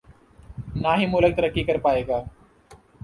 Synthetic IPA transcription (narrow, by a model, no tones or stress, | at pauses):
naːɦiːmʊːlək̚t̪əɾəkːiːkəɾpaːeːɡaː